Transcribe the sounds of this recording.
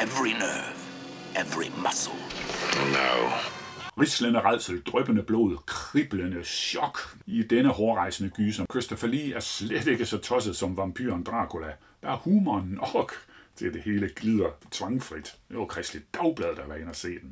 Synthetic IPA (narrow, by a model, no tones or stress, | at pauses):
ɛvɹinɜːv̥ | ɛvɹḭmʌsl̩ˠnaʊʁislənəʁɑl̰səl̩d̥ʁœb̥ənəb̥lo̝̰ð̰ˠkʰʁib̥lənəɕɒ̽ɡ̥id̥enəhɒːʁɑ̈ɪ̰sənəɡ̥yːsɒ̽mkʰʁøsd̥ɒfæliæɐsled̥e̝ɡ̥əsɒ̽t͡sʰɒ̽səð̞̩ˠsɒ̽mʋɑ̈mpʰy̰ɐnd̥ʁɑ̰̈ːkʰo̝læ | b̥æhuːmɐːnːɒɡ̥t͡sʰe̝ld̥e̝he̝ːləɡ̥lið̰ˠɐt͡sʰʋɑ̈ŋfʁid̥jokʰʁɛsd̥id̥d̥ɑʊb̥lɛð̞ˠd̥æʋæɐenɐse̝̰ːd̥en̩